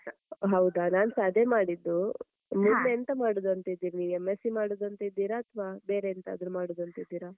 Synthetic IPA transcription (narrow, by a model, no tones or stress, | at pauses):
ɦɐwd̪anaːnsaːd̪ʱjɐmaːɽid̪ːu | munneɐnt̪ɐmaːɽud̪ɐnt̪ɐid̪ːiːɾiniːʋemːesimaːɽud̪ɐnt̪ɐid̪ːiːɾaːɐt̪ʰɐʋaːbeːɾeɐnt̪ɐːd̪ɾumaːɽud̪ɐnt̪ɐid̪ːiːɾa